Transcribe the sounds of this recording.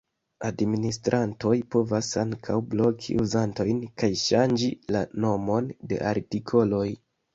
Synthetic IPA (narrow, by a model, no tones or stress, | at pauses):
administɾʔanto̞jpo̞vasaŋkʰawblo̞kʰḭʔuzanto̞jnkajʃand͡ʒilano̞mo̞nde̞̰ʔaɾtikʰo̞lo̞j